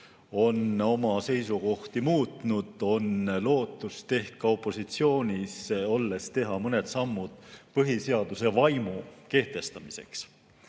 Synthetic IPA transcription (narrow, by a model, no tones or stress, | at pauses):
o̞no̞mɑse̞jsuko̞ht̪imuːt̪nud̪̥o̞nlo̞ːt̪ːˑust̪e̞ht̪̚kɑo̞pːˑo̞sit̪sio̞ːnʲiso̞lːe̞st̪e̞ɦɑmɤne̞d̪sɑmːud̪̥pɤɦise̞ɑd̪̥use̞vɑjmuke̞ht̪e̞st̪ɑmise̞̰ks